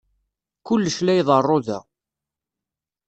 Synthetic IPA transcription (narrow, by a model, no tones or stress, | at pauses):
kʊlːəʃlæjðˤərˤːoðæ̰